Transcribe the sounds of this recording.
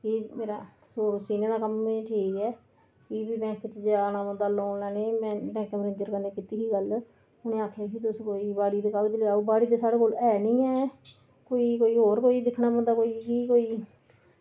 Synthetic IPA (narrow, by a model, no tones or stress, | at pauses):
kimeːɾaː | soːɾsiːnẽːd̪aːkəmːeʈʰiːkɛː | kibiːbɛ̃ːkt͡ʃd͡ʒaːnaːbə̃nd̪aːloːnlaːneːmɛ̃ːbɛ̃ːŋkeməɾə̃d͡ʒəɾkəɾneːkiːt̪iːɦiːɡəl | ʊnẽːaːkʰjaːkit̪ʊskoːiːbaːɽiːt̪eːkaːɡd͡ʒ̪lːaːuːbaːɽiːt̪eːsaːɽeːkoːlɛːnĩːɛː | koːiːkoːiːɦoːɾkoːiːd̪ɪkʰnaːbənd̪aːkoːiːkiːkoːiː